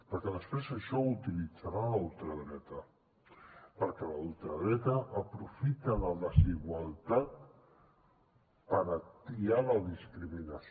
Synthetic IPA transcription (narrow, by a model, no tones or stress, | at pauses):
pəɾkɛðəspɾezəʃɔut̪ilid͡zaɾalulˠt̪ɾəðɾɛt̪ə | pəɾkɛlaulˠt̪ɾəðɾɛt̪əʔːpɾufit̪ələðəziɣwalˠt̪at̪ | pəɾət̪ialəðiskɾiminəs